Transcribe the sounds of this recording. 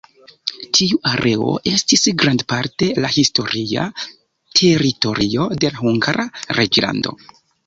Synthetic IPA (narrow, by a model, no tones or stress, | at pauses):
tʰiuʔaɾe̞o̞̰ʔe̞stisɡɾandpaɾte̞lahisto̞ɾia̰ | tʰe̞ɾito̞ɾio̞de̞laxuŋɡaɾʔaɾʔed͡ʒla̰ndo̞̰